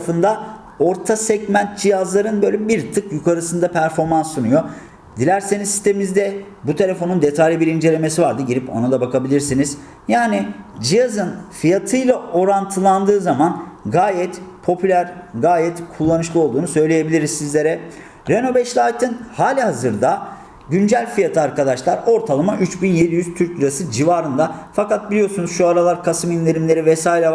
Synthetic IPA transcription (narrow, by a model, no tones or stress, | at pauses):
fɯnd̪a | o̞ɾt̪ʰasɛɟmænt̪̚d͡ʒijazlˠaɾɯnbølʲibiɾt̪ʰɯkjukʰaɾɯsɯnd̪apʰæɾfo̞ɾmansːunujo̞ | d̪̥ilʲæɾsenizsist̪emimizd̪ɛ | but̪ʰe̞lʲe̞fo̞nund̪e̞t̪ʰalʲibiɾind͡ʒe̞lʲe̞me̞sivaɾd̪ɯɟiɾipo̞̰nad̪abakʰabilʲiɾsiniz | jaːnid͡ʒijazɯnfijat̪ʰɯjlˠao̞ɾant̪ʰɯlˠand̪ɯːzamanɡaːjɛt̪pʰo̞pʰylʲæɾɡaːjɛt̪kʰulˠːanɯʃlˠɯo̞lˠd̪uːnusø̞jlʲeje̞bilʲiɾizsizlʲe̞ɾɛ | ɾeno̞bɛʃlʲˠaːt̪ʰɯnhaːlʲihazɯɾd̪a | ɟynd͡ʒælʲfijat̪ʰɯaɾkʰad̪aʃlˠaɾo̞ɾt̪ʰalˠɯmaʔyt͡ʃbinje̞d̪ijyz̥t̪ʰyɾc̪̚yɾasɯd͡ʒivaɾɯnd̪afakat̪̚bilʲijo̞ɾsunuz̥ʃuaɾalˠaɾkʰasɯminlʲeɾimlʲe̞ɾivɛsaːiɾɛ